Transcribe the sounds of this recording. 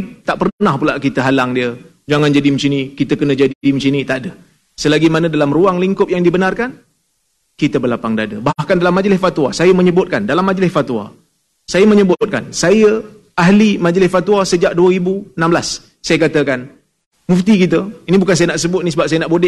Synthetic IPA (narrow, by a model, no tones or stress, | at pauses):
t̪aʔpərnnahpulaʔkit̪əɦalaŋdiə | d͡ʒaŋand͡ʒadimət͡ʃinikit̪əkənəd͡ʒaddimt͡ʃinit̪aʔdə | səlaɡimanə̃dalamruaŋliŋkʊp̚jaŋdibənarkan | kit̪əbəlapaŋdadə̰bahkandalamːad͡ʒlɪsfat̪wasajəməɲəbʊt̪̚kandalamːad͡ʒlɪsfat̪wa̰ | sajəməɲəbʊt̪̚ka̰nsajə | aɦlimad͡ʒəlɪsfat̪wasəd͡ʒaʔ̚duəɾibuənãmblasː | ajəkat̪əkan | muft̪ikit̪əinĩbukansajənaʔsəbʊt̪̚nisəbap̚sajənaʔbodɪʔ